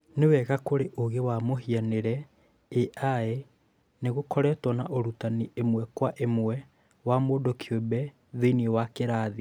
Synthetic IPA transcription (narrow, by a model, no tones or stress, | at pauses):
newɛɣakoɾeʔoɣewamoɦianeɾɛ | eʔae | neɣokɔɾɛːtwɔnaʔoɾutaniemwɛkwaʔemwɛ | wamoːndokʰjobɛ | ðeiniɔwakeɾaːði